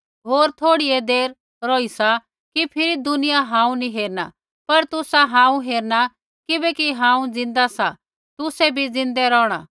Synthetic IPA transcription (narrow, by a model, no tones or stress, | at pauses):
ɦoːɾt̪ʰoːɽiɛd̪eːɾ | ɾoːisa | kipʰɪɾid̪ʊnɪjaɦãːũniɦeːɾna̰ | pɐɾt̪ʊsaɦãːũɦeːɾna | kɪbɛkiɦãːũd͡zɪ̃nd̪asa | t̪ʊsɛbʱid͡zɪ̃nd̪ɛɾɔːɽ̃a̰ː